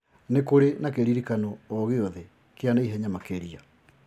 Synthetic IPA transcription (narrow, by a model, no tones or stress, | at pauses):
nekoɾenakeɾiɾikanɔːɣeɔðe | keanaiɦɛɲamakeɾia